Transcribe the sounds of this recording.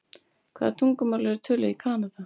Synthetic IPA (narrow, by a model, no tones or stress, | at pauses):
kʰv̥a̰ːðat̪ʰuŋkʏmawlɛɾt̪ʰʏːlʏikʰaːnaða